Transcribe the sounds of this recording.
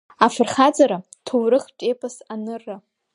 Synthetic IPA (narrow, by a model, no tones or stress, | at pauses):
afɨrχad͡zaɾa | tʰowrɨχt͡ʃʼepʰʼasanɨrɨ